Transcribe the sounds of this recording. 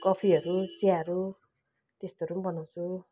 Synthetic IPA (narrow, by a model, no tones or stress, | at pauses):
kʌpʰiʌɾut͡siaʌɾu | t̪est̪oʌɾumbʌnaw̃t͡sʰu